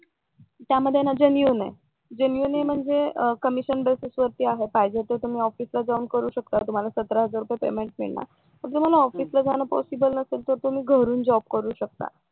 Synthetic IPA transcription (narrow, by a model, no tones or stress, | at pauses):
t̪jaməd̪ʱːjenad͡ʑənjunḛ | d͡ʑənjunem̤əɳd͡zekəmiɕənbesisʋəɾt̪iːaɦepajd͡ʑet̪əɾt̪um̤iːɔfiːslad͡zauːnkəɾuːɕəkt̪at̪um̤alasət̪ɾaɦəd͡zaɾupjepḛmeɳʈ̚mḭɭɳa̰ | məɾt̪um̤alaɔfiːslad͡zanəpɔ̰sibəlnəselt̪əɾt̪um̤iːɡʱəɾuːnd͡zɔb̚kəɾuːɕək̚t̪a̰